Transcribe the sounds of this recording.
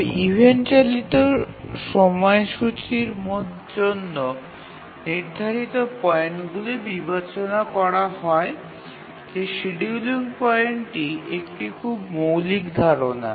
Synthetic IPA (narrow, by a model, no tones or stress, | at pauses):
ibʱeɳt͡ɕalit̪oʃɔmɔeʃut͡ɕiɾmot̪ʰ | d͡ʑonːo | niɾd̪ʱaɾit̪opɔeɳʈɡulibibat͡ɕonakɔɾaɦɔe | d͡ʑeʃiɖiuliŋpɔjeɳʈiʔekʈikʰubmowlikd̪ʱaɾona̰